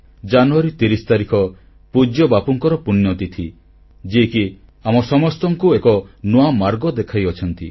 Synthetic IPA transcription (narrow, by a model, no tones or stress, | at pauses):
d͡ʒanuaɾit̪iɾisɔ̥t̪aɾikʰɔ | pud͡ʒjɔbapuŋkɔɾɔpunjɔt̪it̪ʰi | d͡ʒiki | amɔsɔmɔst̪ɔŋkuekɔnoamaɾɡɔd̪ekʰajɔt͡ʃʰɔnt̪ḭ